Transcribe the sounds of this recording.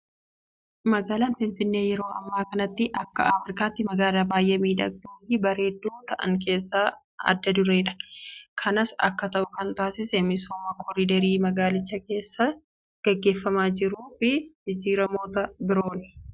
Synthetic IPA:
mɐɡaːlaːnfɪnfɪnːe̞ːjɛɾo̞ːʔɐ̰mːaːkɐnɐt̪ːɪʔɐkːɐ̰afɾɪkaːt̪ːɪmɐɡaːlaːbaːjʔɐmiːᶑɐ̰ɡ̚dujibɐɾe̞ːd̪ːuːt̪ɐʔɐ̰ŋk̬e̞ːsːaː | ɐ̰d̪ːɐd̪ʊɾe̞ːᶑɐ̥kʰɐnɐsɐ̰kːɐt̪ɐʔʊkɐnt̪aːsɪsɛmɪsoːmɐkʰɔɾid̪ɐɾiːmɐɡaːlɪt͡ʃːɐke̞ːsːɐ | ɡ̥ɐɡːe̞ːfːɐmaːd͡ʒɪɾuːfɪd͡ʒɪd͡ʒiːɾɐmo̞ːt̪ɐbɪɾo̞ːnɪ̥

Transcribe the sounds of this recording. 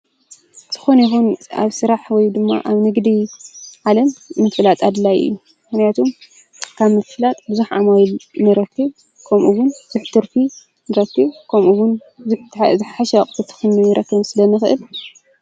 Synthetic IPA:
z̥ʰɨ̥xonjixuna̰βsɨɾaħwɔjd̪ɨmːa̰ʔaβnɨɡd̪iʕalɐmːɨt̪fɨlat̪ʼad̪lajɨ̰jːumɨxnijat̪ʰum | kʰaβmɨt̪fɨlat̪ʼbɨzuħʕamajlmɨɾɐkʰːɨβ | kʰɐmʔuβʊnbɨzuħt̪ʰɨɾfʰi | nɨɾɐkːɨβkʰɐmʔuwʊnzɨt̪ʰzɨħħaʃɐkʼt̪ʰɨt̪ʰɨ̥xɨnːɨmjiɾʔɐkʰːɐβnsɨlɐmːɨxʔɨ̰l

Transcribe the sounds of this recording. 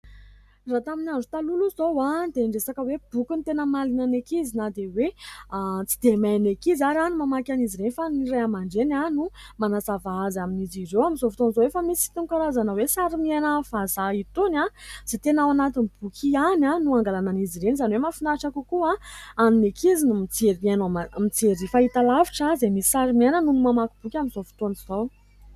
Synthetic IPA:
rat̪aminanɖ͡ʐut̪aluluzowad̪eɳɖ͡ʐesakəweb̥ukunt̪enəmalinanekizinad̪ewe | t͡si̥d̪emajnekizaɾanumamakʲaniziɾenifanirajamaɳɖ͡ʐenanumanasavaazaminizirewaminzovut̪onizowefamisiit̪uŋkaɾazanəwesaɾimianavazait̪unaz̥et̪enawanat̪inib̥ukʲʰiananuaŋɡalananiziɾenizaniwemafinaʈ͡ʂakukuaanunekizinumit͡seɾmanomamit͡seɾifait̪alaviʈ͡ʂazemisi̥saɾimienənunumamakib̥ukʲamizovu̥t̪ont͡sizow

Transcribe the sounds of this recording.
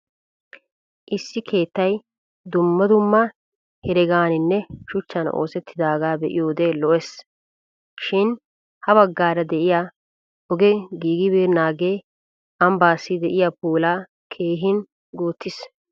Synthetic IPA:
ʔɪsːɪkʰe̞ːt̪ːɐj | d̪ʊmːɐd̪ʊmːɐ | hɛɾɛɡaːnɪnːɛʃʊt͡ʃːɐno̰ːsɛt̪ʰːɪd̪aːɡaːbɛʔɪ̰joːd̪eːlɔʔɛs | ʃɪn | hɐβɐɡːaːɾɐd̪ɛʔɪjaː | ɔɡɛɡiːɡɪbeːɾnaːɡeː | ɐmbaːsːɪd̪ɛʔɪjapuːlaː | kʰeːɦɪn | ɡuːt̪ːɪs

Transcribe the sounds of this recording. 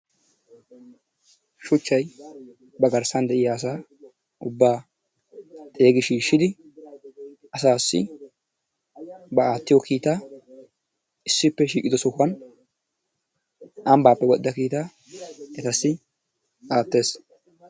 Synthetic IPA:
ʃʊt͡ʃːɐj | bɐɡɐɾsɐnd̪ɛʔɪjaːsaː | ʔʊbːaː | t̪ʼe̞ːɡɪʃiːʃːɪd̪ɪ | ʔɐsaːsːɪ̰ | bɐaːt̪ːɪjɔkiːt̪aː | ɪsːɪpːɛʃiːkʼɪd̪ɔsɔkʊɐn | ʔɐmbaːpːɛɡɔd̪ːɐkiːt̪aː | ɛt̪ɐsːɪ | ʔaːt̪ːe̞ːs

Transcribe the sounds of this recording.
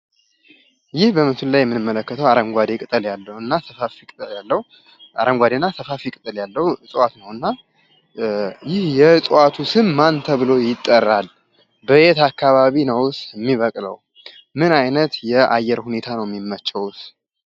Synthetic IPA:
jɪhbəmət̪ʰullajɛmːɨnɨmːələkːət̪ʰəwaɾəmɡʷad̪ekʼɨt̪ʼəljalːəɨnːasəfafikʼt̪ʼəljalːəhu | a̰ɾəmɡʷad̪enːasəfafikʼɨt̪ʼəljalːəhuɨsʼwat̪nəwɨnːa | jɪhjɛɨsʼwat̪ʰusɨnmant̪ʰəβɨlo̞jɪt̪ʼːərːal | bəet̪akʰːaβaβinəwsɛmːiβəkʼlə̰w | mɨnajnət̪jɛajːɛɾhune̞t̪ʰanəwjɛmːimːət͡ʃːəwʊs

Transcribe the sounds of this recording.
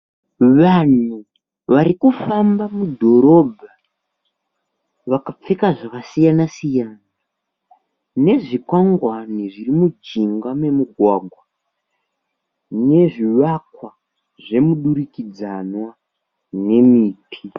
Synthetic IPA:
ʋan̤u | ʋaɾikufambamudʱo̞ɾo̞bʱa | ʋakap͡fekaʐakasijanasijaːna | ne̞ʐikwaŋɡwaniʐirimud͡ʒiŋɡame̞muɡʱwaɡʱwa | ne̞ʐiʋakwa | ʐe̞muɗuɾikid͡zanwa | ne̞miːtʰi

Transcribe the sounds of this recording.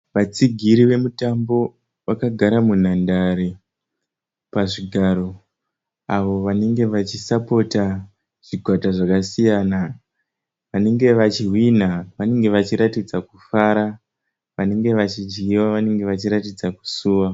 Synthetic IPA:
ʋat͡siɡʱiɾiʋe̞mutambo̞ | ʋakaɡʱaɾamun̤andaɾe | paʐiɡʱaɾo̞ | aʋo̞ʋane̞ŋɡe̞ʋat͡ʃisapo̞ta | ʐ̥iɡʱwataʐakasijana | ʋane̞ŋɡe̞ʋat͡ʃiɦwin̤aʋane̞ŋɡe̞ʋat͡ʃiɾatid͡zakufaːɾa | ʋane̞ŋɡe̞ʋat͡ʃid͡ʒɡiwaʋane̞ŋɡe̞ʋat͡ʃiɾatid͡zaku̥suːwa

